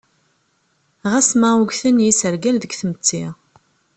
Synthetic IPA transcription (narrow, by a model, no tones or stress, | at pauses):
ʁæsmæuɡθənjisəɾɡælðəɡθəmət͡sːɪʁ